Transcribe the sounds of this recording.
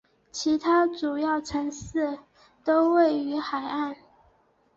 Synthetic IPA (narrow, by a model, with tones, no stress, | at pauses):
t͡ɕʰi˧˥t̪ʰa˥ʈ͡ʂu˨˩jɑ˥˩ʊʈ͡ʂʰɤ˧˥ŋsɹ̩˥˩ | t̪o˥ʊwe˥˩ɪy˧˥xa˨˩ɪa˥˩n